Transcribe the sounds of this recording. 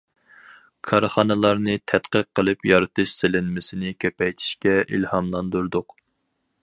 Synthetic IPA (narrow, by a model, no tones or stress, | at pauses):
kʰɑɾχɑnɨlˠɑɾnɨt̪ʰɛt̪qəqʰːəlˠɨpjɑɾɨt̪ʰɨʃsɪlɪnmɪsɪnɪkʲʰøpɛjt̪ʰi̥ʃkʲɛʔilhɑmlˠɑnd̪uɾd̪ʊq